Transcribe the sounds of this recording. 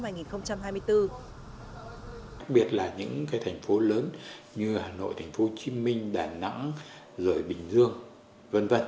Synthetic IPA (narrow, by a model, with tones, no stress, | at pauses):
haː˧˩jŋi˨˩nxə˧wŋ͡mt͡ɕa˧mhaː˧jmɨ˧əjt̪ɨ˧ | xa˦˥k̚ɓi˨˩ət̚laː˨˩ɲɨ̰˧˥ŋkaː˨˦jt̪ʰa˨˩jŋ̟fo˨˦ləː˨˦n | ɲɨ˧haː˨˩no̰˧˨jt̪ʰa˨˩ŋ̟fo˨˦t͡ɕi˨˦mï˧ŋ̟ɗaː˨˩na̰˧˥ŋ | zəː˧˩jɓï˨˩ŋ̟zɨ˧əŋ | və˧˨nvə˧˨n